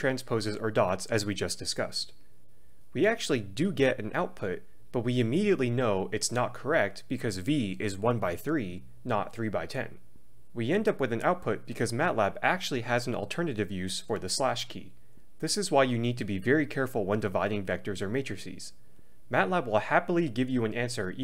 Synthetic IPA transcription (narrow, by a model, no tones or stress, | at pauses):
tʰɹ̥æ̃nspʰoʊzɨzə˞dɑtsɨzwid͡ʒʌsd̥ɨskʌ̰st | wiæk̚t͡ʃʉl̩ˠidɨɡɛɾɨ̃nʔaʊt̚pʰʊt̚ | b̥ʌt̚wiɨmiɾiɨtˡlinoʊʔɨtsnət̚kʰə˞ɛk̚t̚b̥ɨkʰʌzviɪzwʌ̃nbaɪθɹi | nə̰t̪̚θɹibaɪtʰɛ̰̃n | wiɛ̃ndʌpwɨðɨ̃nʔaʊt̚pʰʊt̚b̥ɨkʰʌzmæʔlæbæk̚t͡ʃʉl̩ˠiɨzn̩̰l̩ˠtʰɜ̃˞nɨɾɨvjʉz̥fə˞ðɨslæʃkʰḭ | ðɪsɨzwaɪjɨnid̚tʰɨbivɛɹikʰɛɹfl̩ˠwɛ̃ndɨva̰ɪɾɪ̃ŋvɛk̚tə˞zə˞meɪt͡ʃɹ̥ɨsḭz̥ | mætˡlæbwɪlˠhæpl̩ˠiɡɪvjɨə̃næ̃nsə˞